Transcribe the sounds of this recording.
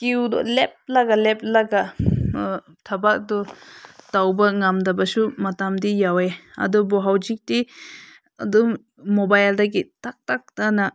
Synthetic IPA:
kiwdɔ̰lep̚laɡalep̚laɡa | tʰɐbak̚dɔtawbɐŋamdɐbɐsumɐtamdijaweɐ̰dɔbɔɦawd͡ʒik̚ti | ɐ̰dɔm | mobajldaɡitak̚tak̚tana

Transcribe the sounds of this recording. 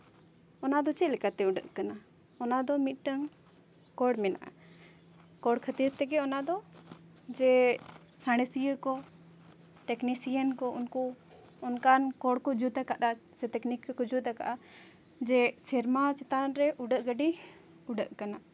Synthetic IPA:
ɔnad̪ɔt͡ʃɛlɛkat̪ɛuɖəʔkana | ɔnad̪ɔmit̪̚ˀʈəŋ | kɔɽmɛna̰ʔa̰ | kɔɽkʰət̪iɾt̪ɛɡɛɔnad̪ɔ | d͡ʒɛ | saɽ̃əsijəkɔ | ʈɛknisijənkɔʔunku | ɔnkankɔɽkɔd͡ʒud̪akaʔasɛt̪ɛknikkɔd͡ʒud̪aka̰ʔa | d͡ʒɛsɛɾmat͡ʃɛt̪anɾɛʔuɖəʔɡəɖi | uɖəʔkana

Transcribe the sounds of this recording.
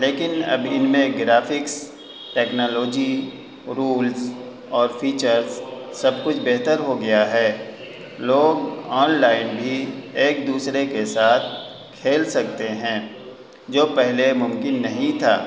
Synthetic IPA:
leːkɪnɐ̰bɪnmẽɡɾaːfɪks | ʈɛːknoːloːd͡ʒi | ɾuːlz | ɔːɾfʰiːt͡ʃəɾzsɐb̚kʊt͡ʃʰbeɦt̪əɾɦoɡɐjaɦɛː | loːɡɔːnlaːɪnbʱieːk̚d̪uːsɾekesaːt̪̚ʰ | kʰeːlsɐk̚t̪eɦɛ̃ː | d͡ʒoːpɛɦlemʊ̃mkɪnːɐɦĩt̪ʰa̰ː

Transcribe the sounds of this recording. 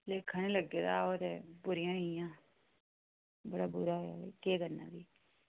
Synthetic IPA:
leːkʰːaːnẽːləɡːeːd̪aːoːt̪eːbʊɾɪjãːnijãː | bəɽaːbʊɾaːɦoja̰ːekeːɡənːã̰ːd̪iː

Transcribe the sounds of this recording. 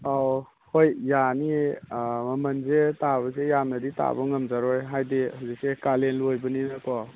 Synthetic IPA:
aw | hojːani | mɐmɐnzetaβɐs̬ejamnadita̰bɔŋɐmzaɾɔjɦajdihuzik̚sekalenlojbɯninakɔ

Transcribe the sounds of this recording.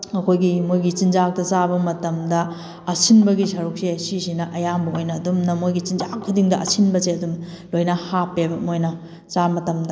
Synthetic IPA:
ɐkʰojɡimojɡit͡ʃinzak̚tɐt͡ʃabɐmɐtɐmdɐ | ɐsinbɐɡisɐɾuk̚sesisinɐʔɐjambɐojnɐːdumnɐmojɡit͡ʃinzakʰːudiŋdɐɐ̰sinbɐseɐdum | lojnɐhapebɐmojnɐ | t͡ʃamɐtɐmdɐ

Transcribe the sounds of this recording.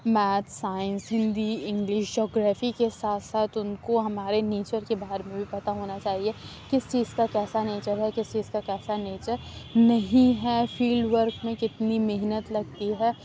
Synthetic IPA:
mɛːt̪saːɪ̃nsɦɪ̃nd̪iɪ̃ŋɡlɪʃd͡ʒɔːɡɾaːfikesaːt̪ʰsaːt̪ʊnkoɦɐmaːɾeneːt͡ʃəɾkebaːɦəɾmẽbʱipɐt̪aɦoːnat͡ʃaːɦiekɪst͡ʃiːzkakɛːsaneːt͡ʃəɾɦɛkɪst͡ʃiːzkakɛːsaneːt͡ʃəɾnɐɦĩɦɛfiːlɖʋəɾkmẽkɪt̪nimɪɦnət̪lɐɡ̚t̪iɦɛː

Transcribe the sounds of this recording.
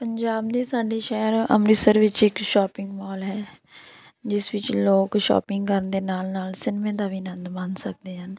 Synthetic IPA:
pəɲd͡ʒaːbd̪iːsaːɖiːʃɛːəɾə̰mɾɪsəɾʋɪt͡ʃɪkʃɔːpɪ̃ŋɡmɔːlɦɛː | d͡ʒɪsʋɪt͡ʃloːkʃɔ̰ːpɪŋɡkəɾənd̪eːnaːlnaːlsɪnmẽːd̪aːʋiːnə̃nd̪bənsək̚d̪eːɦən

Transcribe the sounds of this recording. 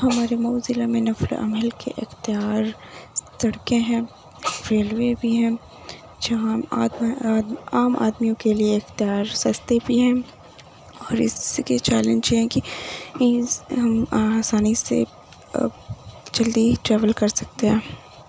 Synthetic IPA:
ɦɐmaːɾemoːzɪlamẽnɐfl̰ʔɐ̰məlkḛʔɪxt̪ijaːɾ | t̪ɐɽkeɦɛ̃ː | fɾeːlʋeːbʱiɦɛ̃ː | d͡ʒɐɦaː | aːmʔa̰ːd̪mijõkelieɪxt̪ijaːɾsɐst̪ebʱiɦɛ̃ | ɔːɾɪ̰sket͡ʃɛːlə̃nd͡ʒɛ̃ki | ɦɐmasaːnisḛ | d͡ʒɐld̪iʈɾɛːʋəlkɐɾsɐk̚t̪eɦɛ̃ː

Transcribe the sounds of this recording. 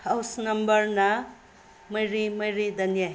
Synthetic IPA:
hawsnɐmbʌɾnɐ | mʌjɾimʌjɾid̪ʱɐnija

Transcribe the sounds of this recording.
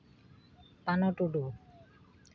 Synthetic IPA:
panɔʈuɖu

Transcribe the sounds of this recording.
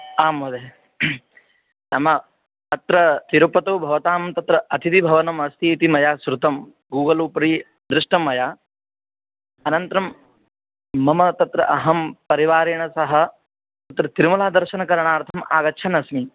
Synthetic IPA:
aːmːɐd̪e | nɐmɐ | ɐt̪ɾɐt̪iɾupɐt̪oːbʱɐʋɐt̪aːmɐmt̪ɐt̪ɾɐʔɐt̪ʰit̪ibʱɐʋɐnɐmɐst̪ʰiːt̪imɐjaːsɾut̪ɐm | ɡuːɡɐluːpɾiː | d̪ɾɪʂʈɐmːɐjaː | ɐnɐnt̪ɾɐm | ɐmɐt̪ɐt̪ɾɐ̰ʔɐɦɐmpɐɾiʋaːɾiːɳɐsɐɦɐ̆ | t̪ɐt̪ɾɐt̪iɾmulaːd̪ɐɾʃɐnɐkɐɾɐɳaːɾt̪ʰɐma̰ːɡɐʃʰɐnɐsmi

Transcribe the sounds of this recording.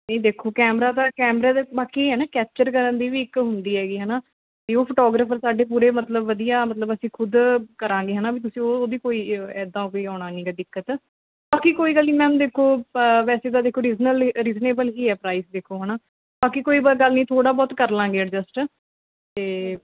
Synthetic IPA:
nəĩːd̪eːkʰoːkɛːmɾaːt̪ãːkɛːmɾaːd̪eːbaːkiːɦɛːnaːkɛːp̚t͡ʃəɾkəɾənd̪iːʋiːɪkɦʊnd̪iːɦɛːɡiːɦɛːnaː | k̪iːoːpʰoʈɔːɡɾəːpʰəɾsaːɖeːp̬uːɾeːmət̪ləbʋːəd̪ijaːmət̪ləbəsĩːkʰʊd̪kəɾãːɡeːɦənaːbiːt̪̬ʊsĩːoːd̪iːkoːiːɛːd̪ãːkoiːaːɽ̃aːnĩːɡɛd̪ɪkːət̪ | baːkiːkoːiːɡəlːĩːmɛ̃ːd̪eːkʰːoːʋɛːseːd̪aːd̪eːkʰːoːɾiːznəlɾiːzneːbəlɦiːɦɛːpɾaːɪsd̪eːkʰːoːɦənaː | baːkiːkoːiːbaɡəlnĩːt̪ʰoːɽaːbɔːt̪kəɾlãːɡeːəɖd͡ʒəsʈ | t̪eː

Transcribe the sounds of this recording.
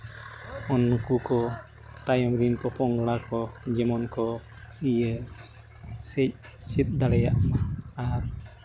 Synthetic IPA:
ɔnkukɔ | t̪ajɔmɾinkɔpɔŋɡɽakɔd͡ʒɛmɔnkɔ | ijə | sɛc̚ | t͡ʃit̪̚d̪alɛjaʔaɾ

